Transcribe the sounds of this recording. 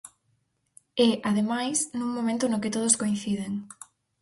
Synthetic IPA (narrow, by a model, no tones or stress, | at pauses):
ɛʔaðemajsnũŋmõmẽnt̪ʊnokɪt̪oð̞oskoinθiðeŋ